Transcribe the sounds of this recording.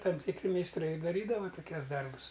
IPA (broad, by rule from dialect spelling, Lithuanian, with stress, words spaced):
ˈtɐm tʲɪkˈrʲɪ mʲɛɪsˈtrɐɪ ɪ dɐˈrʲiːdɐʋɐ toːˈkʲuɔs ˈdɐrbʊs